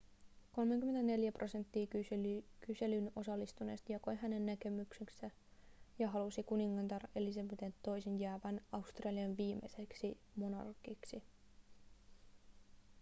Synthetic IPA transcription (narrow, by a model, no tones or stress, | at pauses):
ko̞lmeŋkymːent̪æne̞ljæprʔo̞se̞nt̪ːiːyykyse̞lyno̞sɑlːist̪une̞ːst̪jɑko̞jɦæne̞nːæke̞mykseksæ | jɑɦɑlusikuniŋːɑnt̪ɑrʔe̞lis̬ɑbet̪ent̪ːo̞jsinjæːʋænɑust̪rɑliɑnʋiːmḛse̞ksi | mo̞nɑ̰rkːiksi